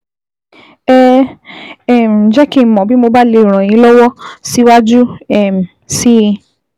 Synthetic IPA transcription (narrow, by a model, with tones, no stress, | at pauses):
ɛ˨ | ɛ˨m̩˨d͡ʒɛ˦ki˦˨mɔ̃˨bi˦mo˧ba˦le˧˦i˨ɾ̃ã˨j̃ĩ˧˦lɔ˦wɔ˦si˦wa˦d͡ʒu˦ɛ˦˨m̩˨ | si˦˧